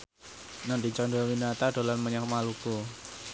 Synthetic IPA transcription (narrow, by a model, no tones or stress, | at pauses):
nand̪it͡ʃɔndɔwinat̪ad̥o̤lanməɲakmaluku